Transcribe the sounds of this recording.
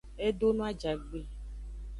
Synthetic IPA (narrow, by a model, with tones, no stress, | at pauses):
e˦ɖo˦nũ˦a˦d͡ʒa˨ɡ͡be˨